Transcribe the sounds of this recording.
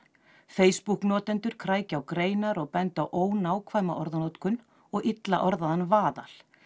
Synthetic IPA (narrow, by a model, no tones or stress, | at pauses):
feːjspuhknɔːt̪ɛnt̪ʏɾ̥kʰɾaːjcawkɾeːjnaɾɔɣpɛnt̪awʔoːwnaːwkʰvaːjmaʔɔɾðanɔt̪kʏn | ɔɣʔit̪la̰ʔɔɾðaðanvaːða̰l̥